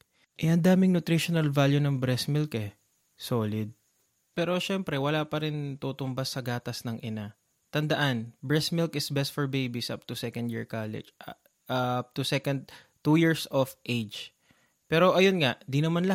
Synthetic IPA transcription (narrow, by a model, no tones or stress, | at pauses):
ʔɛhɐnd̪aːmɪŋnʊt̪ɾiʃonɐlvaljʊnɐŋbɾɛsmɪlkɛ | so̞ːlɪd̪̚ | pɛːɾoʃɛmpɾɛwɐlapɐɾɪnt̪uːt̪ʊmbɐsːɐɡaːt̪ɐsnɐŋʔɪna | t̪ɐnd̪ɐʔanbɹɛsmɪlkɪsbɛst̪̚fɔɹbejbisʔa̰p̚t̪ʊsɛkɐnd̪jḭɹkalɪ̰d͡ʒ | p̚t̪usɛkɐnd̪̚ | t̪ujiɹsofʔejd͡ʒ | pɛːɾo̞ʔɐjonŋaʔd̪inɐmanlɐ